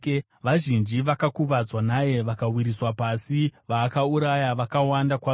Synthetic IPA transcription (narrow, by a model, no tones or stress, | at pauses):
ʋaʒind͡ʒiʋakakuʋad͡zwanaje̞ʋakawiɾiswapasiʋaːkauɾajaʋakawandakwa